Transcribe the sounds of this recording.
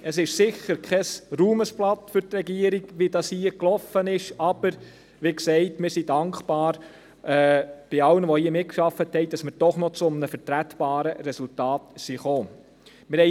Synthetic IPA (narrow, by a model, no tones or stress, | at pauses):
əsɪʃsɪçəɾkʰɛsɾuːməsplɑt̪fʏɾtɾɛɡiəɾiɡʋidɑshiːəklɔfənɪʃɑb̥əɾ | ʋiksɛɪtmɪɾsidɑŋkχpɑːɾ | ʔɛːb̥ɪɑlənəʋɔhiəmɪt̚kʃɑfəthɛɪd̥ɑsməɾd̥ɔχnɔt͡sʊmnəfəɾtɾætbɑːɾəɾɛsultɑːtsiχoː | mɪɾhɛɪ